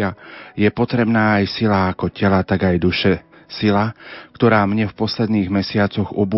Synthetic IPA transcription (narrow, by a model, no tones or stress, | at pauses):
ajɛpɔt̪ɾɛbnaːjsilaːkɔcɛlat̪aɡajd̪uʃɛ | silakt̪ɔɾaːmɲɛfpɔslɛd̪niːɣmɛsɪat͡sɔɣubu